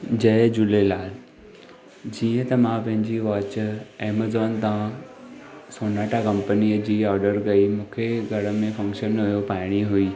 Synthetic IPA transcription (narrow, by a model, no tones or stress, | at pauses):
d͡ʑɐːd͡ʑʊlelaːl | d͡ʑiːə̃t̪ɐmãpɐ̃ɦɪ̃ɲd͡ʑiʋaːt͡ɕeːmazɔːnt̪aã | soːnaːʈʰakɐ̃mpəniːəd͡ʑiːɔːɾɖəɾɡɐimũːkʰeɡʱɐɽə̆mẽfɐ̃ŋkʃənɦujopaːɪɽ̃iɦuiː